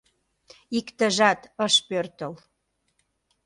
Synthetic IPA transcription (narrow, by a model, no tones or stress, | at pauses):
ikt̪ə̆ʒɑt̪əʃpørt̪əl